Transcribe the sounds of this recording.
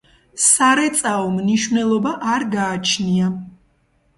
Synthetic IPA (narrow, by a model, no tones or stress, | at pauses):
saɾɛt̪sʼaɔmniʃvnɛlˠɔbaʔaɾɡaːt͡ʃʰnia